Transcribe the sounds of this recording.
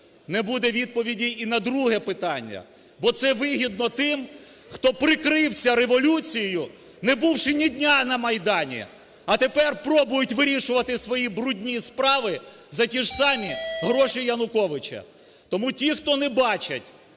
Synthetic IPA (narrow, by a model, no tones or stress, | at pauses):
nɛbud̪ɛʋʲid̪̚pɔʋʲidʲiːnɐd̪ɾuɦɛpɪt̪ɑnʲːɐ̰ | bɔt̪sɛʋɪɦʲid̪̚nɔt̪ɪm | xt̪ɔpɾɪkɾɪwsʲɐɾeʋɔlʲut͡sʲijɪjʊ | nɛbuwʃɪnʲidʲnʲanɐmɐjd̪ɑnʲḭ | ɐt̪epɛrpɾɔbʊjʊtʲʋɪɾʲiʃʊʋɐt̪ɪsʋɔjibɾudʲnʲispɾɑʋɪ | zɐtʲiʒsɑmʲiɦɾɔʃɪjɐnʊkɔʋɪt͡ʃɐ̰ | t̪ɔmutʲixt̪ɔnɛbɑt͡ʃɐ̰tʲ